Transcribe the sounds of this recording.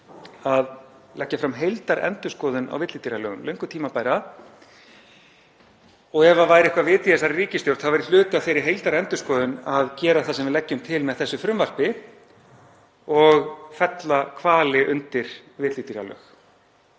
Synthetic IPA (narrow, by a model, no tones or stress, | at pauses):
aðlɛcːafɾamɦejlt̪aɾɛ̰nt̪ʏskɔːðʏna̰wvɪt̪liːt̪iɾjalœːɣʏmlœɥŋkʏt̪ʰiːmapaːjɾa | ɔɣɛvavaːjɾɪɪhkvavɪːt̪iɛsaɾriːcɪst̪jowɾt̪θaðvɛɾɪl̥ʏːt̪ɪafejɾɪ̥ɦejlt̪aɾɛnt̪ʏ̥skɔːðʏnaðcɛːɾaθasɛmvɪðlɛcːʏmt̪ʰɪlmɛðθɛsːʏfɾʏmvar̥pɪ | ɔɣfɛt̪lakʰvaːlɪʔʏnt̪ɪɾ̥ | vɪt̪liːt̪iɾa̰lœ̰ːx